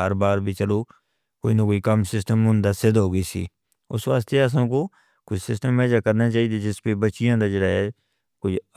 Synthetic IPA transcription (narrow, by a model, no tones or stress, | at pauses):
əɾbaːɾbʱiːt͡ʃəloː | koːiːnə̃koːiːkəmsɪsʈəmɦʊ̃nd̪aːsɪd̪ɦoːɡəiːsḭː | ʊsʋaːst̪eəs̬ãːkoː | kʊd͡ʒsɪsʈəmːɛːd͡ʒaːkəɾnaːt͡ʃaːiːd̪eːd͡ʒɪspeːbəːt͡ʃːɪjãːd̪aːd͡ʒəɽaːɦɛ | kʊ